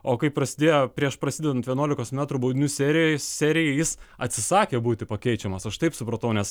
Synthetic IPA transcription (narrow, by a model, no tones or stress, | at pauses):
oːkɐɪpɾɐsʲɪd̪ʲeːjɛpʲɾʲiɛʃpɾɐsʲɪːd̪ʲɛd̪ɐnt̪ʋʲiɛnuɔlʲɪkoːsmʲæːt̪ɾʊbɐʊd̪ʲɪnʲuːsʲæɾʲɪjoːsʲæɾʲɪjɛɪjɪsɐt̪ʲsʲɪsɑːkʲeːbuːt̪ʲɪpɐkʲɛɪt͡ʃʲɛmɐsɐʃt̪ɐɪpsʊpɾɐt̪ɐʊnʲɛs